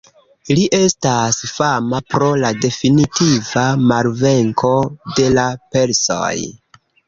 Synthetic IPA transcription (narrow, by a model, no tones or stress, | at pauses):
liʔe̞stasfamapɾo̞lade̞finitivamalve̞ŋko̞de̞lape̞lso̰j